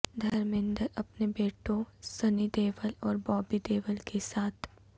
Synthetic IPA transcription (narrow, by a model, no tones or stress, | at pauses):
d̪ʱɐɾmɪ̃nd̪əɾɐpnebeːʈõsɐnid̪eːʋəlɔːɾbɔːbid̪eːʋəlkesaːt̪ʰ